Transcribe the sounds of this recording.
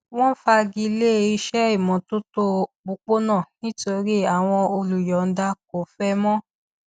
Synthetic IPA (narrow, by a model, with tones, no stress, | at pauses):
w̃ɔ̃˦fa˧ɡi˧le˦˧i˧ʃɛ˦i˦˨mɔ̃˨to˦to˦bu˧k͡po˦nãː˦˨nĩ˦to˧ɾi˦a˨w̃ɔ̃˧o˧lu˨jɔ˨˦n̩˦da˧ko˨fɛ˦mɔ̃˦